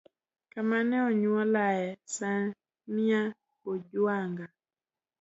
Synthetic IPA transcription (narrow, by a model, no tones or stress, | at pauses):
kamanɛɔɲwɔlaɛsa | nia | kod͡ʒwaŋɡa